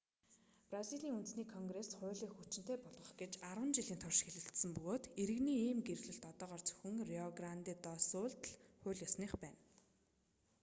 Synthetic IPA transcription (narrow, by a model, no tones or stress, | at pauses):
prasiɮiːŋunt̪sniːkʰɔŋɡresχʊ̟ːɮiːxut͡ɕɪ̆n̥t̪eːpɔɮʁə̆χɡet͡ɕaɾwə̆nt͡ɕiɮiːnt̪ʰɔrʃxeɮɘ̆ɬt̪sɘ̆mpɵɣoːt̪eɾɘ̆ɣniːiːmɡerɣɮɘ̆ɬt̪ɔt̪ɔːʁɔːrt͡sɵ̥xɘ̆ŋriɔɣrant̪iːt̪ɔːsʊːɮt̪ɮχʊ̟ːɮjɔsniːχpæːn